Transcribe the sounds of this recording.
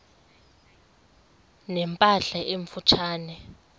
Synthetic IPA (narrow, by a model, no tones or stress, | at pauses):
nɛmpʼaɬaʔeɱfut͡ʃʰaːnɛ